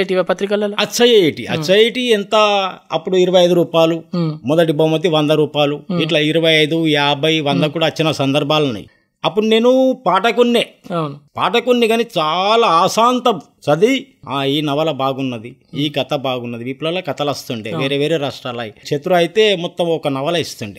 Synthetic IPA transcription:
ʈipɐt̪ɾikɐlɐlɐt͡ʃːɐjɐeːʈiɐ̰t͡ʃːɐjiʈiɛnt̪ɐɐ̰pːuɽuiɾɐʋɐjɐjd̪uɾuːpaːlumɔd̪ɐʈ̬ibɐmɐt̪ːiʋɐnd̪ɐɾuːpaːluiʈlɐiɾɐʋɐjɐjd̪uaːbʱɐjʋɐnd̪ɐkuːɽaːt͡ʃːinɐsɐnd̪ɐɾbʱaːlɐnɐ̰j | ɐpːuɽune̞ːnupaːʈɐkunːeːnpaːʈɐkunːiɡɐnit͡ʃaːlaːaːsaːnt̪ɐm | t͡ʃɐd̪iaːiːnɐʋɐlɐbaːɡunːɐd̪iiːkɐt̪ɐbaːɡunːɐd̪iʋiːpːlɐlaːkɐt̪ɐlɐst̪uɳɖeʋeːɾeːʋeːɾeːɾaːʂʈɾaːlɐjit͡ʃet̪uɾuɐjit̪e̞ːmɔt̪ːɐmɔkɐnɐʋɐlɐist̪uɳɖi

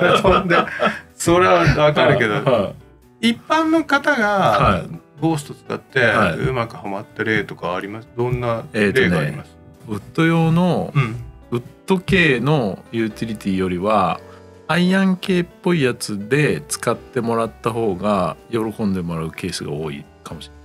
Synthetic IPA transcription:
ond̪esoɾeβaβakaɾɯke̞d̪oa | ipːãnːokat̪aɡahaiɡo̞ːsɨ̥t̪ot͡sɨ̥ka̰t̪ːe̞haiɯ̰makɯ̟hamat̪ːaɾe̞ːt̪o̞kaːɾʲimasd̪õ̞nːaeːt̪ːoːneimas | ɯ̟t̪ːo̞jo̞ːno̞ | ɯ̟t̪ːo̞ke̞ːno̞jɯ̟ːt̪ʲiɾʲit̪ʲiːjo̞ɾʲiβaː | iãŋke̞ːpːo̞ijat͡sɨd̪e̞t͡sɨ̥kat̪ːe̞mo̞ɾat̪ːaho̞ːɡajo̞ɾo̞kõ̞nd̪e̞mo̞ɾaɯ̟ke̞ːsɨɡa̰o̞ːḭ | kamo̞ɕie

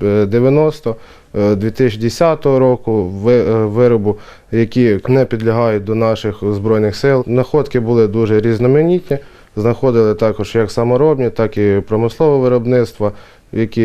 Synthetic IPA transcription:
d̪eʋʲjɐnɔst̪ɔ | d̪ʲʋʲit̪ɪt͡ʃd̪esʲɑt̪ɔɦɔɾɔkʊʋɪʋɪɾɔbʊ | jɐkʲinɛpʲid̪lʲɐɦɑjʊt̚ʲd̪ɔnɑʃɪxzbɾɔjnɪxsɪlˠnɐxɔd̪kɪbʊlˠɪd̪uʒɛɾʲiznɔmenʲit̪ʲnʲi | znɐxɔd̪ɪlˠɪt̪ɑkɔʒ̥jɐksɐmɔɾɔbnʲit̪ɑkipɾɔmɪslˠɔʋɔʋɪɾɔbnɪt̪st̪ʋɐ | jɐkʲi

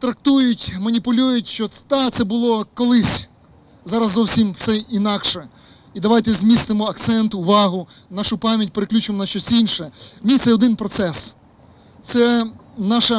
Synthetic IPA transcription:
t̪ɾɐk̚t̪ujʊtʲmɐnʲipʊlʲujʊtʲʃt͡ʃɔd̪ɑt̪sɛbʊlˠɔkɔlˠɪsʲ | zɑɾɐzzɔwsʲimwsɛinɑkʃɛ | id̪ɐʋɑjt̪ɛzʲmʲist̪ɪmɔɐkt̪sɛnt̪ʊʋɑɦʊnɑʃʊpɑmʲjɐt̚ʲpeɾeklʲut͡ʃɪmɔnɐʃt͡ʃɔsʲinʃɛnʲit̪sɛɔd̪ɪnpɾɔt̪sɛs | t̪sɛnɑʃɐ

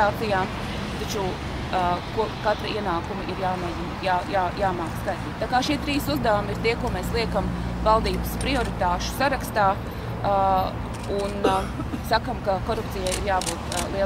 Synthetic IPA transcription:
aːt̪ijaːm | t̪at͡ʃu | kuɔkat̪ɾiiɛnaːkumiʔiɾjaːmɛːzinjaːjaːjaːmaːkskaɪt̪iːt̪t̪aːkaːʃiɛt̪ɾiːsuzd̪ɛʋamiɾt̪iɛkuɔmɛːslˠiɛkamvalˠd̪iːbəspɾiɔɾit̪aːʃʊ̥saɾakst̪aː | unsakamkakɔɾup̚t̪sijajiɾjaːbuːt̪lˠi

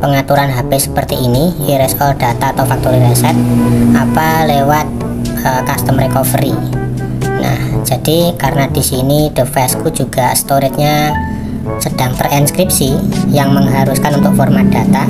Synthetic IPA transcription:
pəŋat̪uɾanɦabɪsə̥pərt̪iːniiɾɛsɔd̥at̪aːt̪awfak̚t̪oɾiɾesɛt̪̚apalewat̪̚ | əkast̪əmɾekɔfəɾi | na̰hd͡ʒad̥ikaɾənad̥isinid̥əfɛskud͡ʒuɡ̥ast̪oɾɪt̪̚ɲa | səd̥aŋpərɛnskɾip̚sijaŋməŋɦaɾuskanunt̪ʊk̚fɔrmad̥at̪a

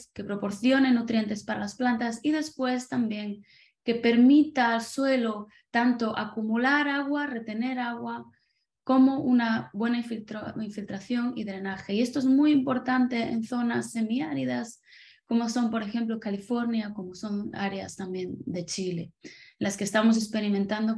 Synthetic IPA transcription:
ske̞pɾo̞po̞ɾθjo̞ne̞nːut̪ɾje̞nt̪e̞spaɾalasplant̪asið̞e̞spwe̞st̪ambje̞ŋ | ke̞pe̞ɾmit̪aːlswe̞lo | t̪ant̪o̞ʔakumulaɾaɣware̞t̪e̞ne̞ɾaɣwa | komo̞ʔunaβwe̞naifilt̪ɾaiɱfilt̪ɾaθjo̞ŋiðɾe̞naxeie̞st̪o̞e̞zmujimpo̞ɾt̪ant̪e̞ḛnθo̞nasːe̞miaɾiðas | ko̞mo̞so̞mpo̞ɾe̞xẽ̞mplo̞kalifo̞ɾnjako̞mo̞so̞na̰ɾea̰st̪ambje̞nd̪e̞t͡ʃile̞enlaskest̪amo̞s̬e̞kspe̞ɾimẽnt̪and̪o

